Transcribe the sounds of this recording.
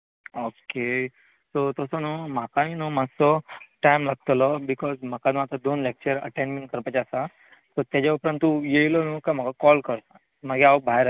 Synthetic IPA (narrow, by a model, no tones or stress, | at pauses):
oke | sot̪əsɔnumakaɦĩnumad͡zsɔʈajmlaɡ̚t̪lɔbikɔzm̤akanũat̪ad̪onlek̚t͡ɕəɾə̰ʈẽnmẽɳʈkəɾpat͡ɕasa | sot̪jad͡ʑaupɾə̃nt̪ːujeilonũːkam̤əɡakɔlkəɾt̪a | məɡeabʱajɾ